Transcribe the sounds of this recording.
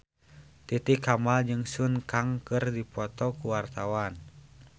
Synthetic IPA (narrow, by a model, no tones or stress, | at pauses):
t̪it̪ikamald͡ʒɨŋsunkaŋkɨrdipɔt̪ɔkuwart̪awan